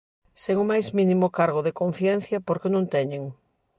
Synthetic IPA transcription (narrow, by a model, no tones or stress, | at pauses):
seŋʊmajzmĩnimʊkaɾɣ̞oðekonθjɛn̟θjɐpoɾkenõnt̪ɛɲeŋ